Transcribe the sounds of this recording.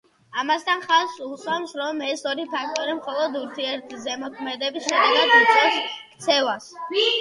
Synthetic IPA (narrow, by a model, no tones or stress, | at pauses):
amast̪ʰanχasuswamsɾɔmɛsɔɾipʰak̚ʰt̪ʼɔɾimχɔlˠɔd̪uɾt̪ʰiɛɾt̪ʰzɛmɔkʰmɛd̪ɛbisʃɛd̪ɛɡad̪ut̪sʼɛskʰt̪sʰɛvas